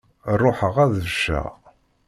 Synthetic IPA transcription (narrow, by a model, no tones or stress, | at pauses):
rˤːoħəʁæðəvəʃæ̰